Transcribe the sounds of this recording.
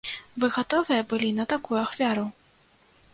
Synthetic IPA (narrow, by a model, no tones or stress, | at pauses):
vɨɣat̪ɔvɨjɐbɨlʲinɐt̪akujuaxfʲaɾu